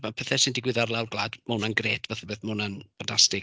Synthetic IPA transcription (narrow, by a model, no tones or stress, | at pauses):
banpʰɛθɛsɪndɪɡwɪðarlˠawrɡlˠaːdmonanɡreːtʰvaθəbeːθmɔnanb̥antʰastɪɡ